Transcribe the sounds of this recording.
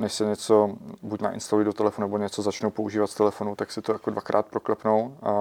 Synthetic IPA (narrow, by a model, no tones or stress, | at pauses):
nɛʃsɛɲɛt͡so̞bucna̰ʔɪ̰nst̪alujɪdot̪ɛlɛfonunɛboɲɛt͡sozat͡ʃnowpouʒiːvat̪st̪ɛlɛfo̞nut̪aksɪt̪ojakodvakɾʔaːt̪̚pɾoklɛpnowa